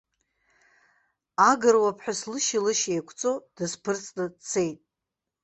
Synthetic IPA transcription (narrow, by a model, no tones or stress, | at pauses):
aɡɨrwapʰħᶣaslɨʃilɨʃejkʷʰt͡sʼod̥ɨspʰɨrt͡sʼnadt͡sʰe̞jtʼ